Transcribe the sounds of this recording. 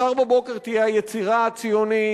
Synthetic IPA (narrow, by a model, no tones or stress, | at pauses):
aʁbabo̞ke̞ʁt̪ijeajet͡siʁat͡sijoni